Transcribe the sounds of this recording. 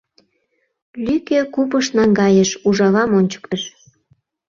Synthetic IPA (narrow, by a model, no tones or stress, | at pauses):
lykekupəʃnɑŋɡɑjə̆ʃuʒɑβɑmonʲt͡ɕə̥kt̪əʃ